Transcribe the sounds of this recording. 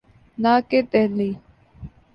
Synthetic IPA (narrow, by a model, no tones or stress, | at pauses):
naːket̪ɛli